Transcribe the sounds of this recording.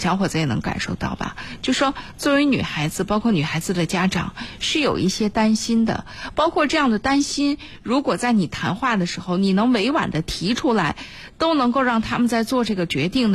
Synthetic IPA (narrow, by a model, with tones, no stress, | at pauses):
ɕjɑ˧˥ŋxwɔ˨˩t͡sa˧˥ɛ˨˩nɤ˧˥ŋka̰˨˩nʂo˥˧ʊt̪ɑ˥˩ʊbɐ̰˩t͡ɕt͡ɕjo˥˧ʊʂʂwɔ˥t͡swɔ˥˩wny̰˨˩xa˧˥ɪd͡zɹ̩˧pɑ˥ʊkʰwɔ˥˩ny˨˩xa˧˥ɪd͡zɹ̩˧d̪ə˩t͡ɕja˥ʈ͡ʂɑ̰˨˩˦ŋʂɻ̩˥˩jo˨˩ʊʔi˥˩ɕjɛ˥t̪a˥nɕi˥nd̪ə̰˨pɑ˥ʊkʰwɔ˥˧ʈ͡ʂɤ˥˧jɑ˥˩ŋd̪ə˩t̪a˥nɕi˥n | ɻu˧˥kwɔ˨˩t͡sa˥˩ɪni˨˩t̪ʰa˧˥nxwa˥˩d̪ə˩ʂɻ̩˧˥xo˧ʊni˨˩nɤ˧˥ŋwe˧˥ɪwa̰˨˩nd̪ə˦t̪ʰi˧˥ʈ͡ʂʰu˥la˧˥ɪ | t̪o˥ʊnɤ˧˥ŋko˥˧ʊɻɑ˥˩ŋt̪ʰa˥mə˨nt͡sa˥˧ɪt͡swɔ˥˧ʈ͡ʂɤ˥˩ɡə˩t͡ɕɥɛ˧˥t̪i˥˩ŋd̪